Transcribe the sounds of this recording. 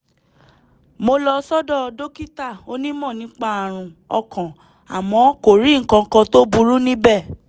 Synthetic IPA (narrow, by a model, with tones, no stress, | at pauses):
mo˧lɔ˧sɔ˦dɔ˦˨˧do˦ki˦ta˦˨o˦nĩ˦mɔ̃˦˨nĩ˨˦k͡pa˦a˧˨ɾ̃ũ˧ɔ̰˧kã˨ | a̰˨mɔ̃˧˦ko˨ɾi˨˦ŋ̩˨kã˧ŋ̩˧kã˧to˦bu˦ɾu˦nĩ˦bɛ˦˨